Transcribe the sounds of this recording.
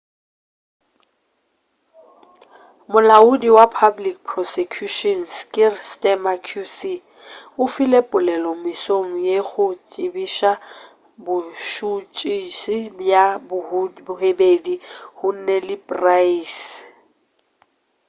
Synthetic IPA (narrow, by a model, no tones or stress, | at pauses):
mʊlaʊdiwapʰablik̚pʰrɔsekʰjuʃɔnskʼɪrstʼɛmakʰusi | ʊfilepʼʊlɛlɔmɪsoŋ̩jeɣʊt͡sʼɪbiʃa | bʊʃut͡ʃʼisibjabbʊɦebedihʊn̩nɛlɪpʼraiːs